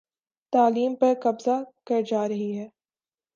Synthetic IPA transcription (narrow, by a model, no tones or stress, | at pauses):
t̪aːliːmpɐɾkɐbzakɐɾd͡ʒaːɾɐɦiɦɛː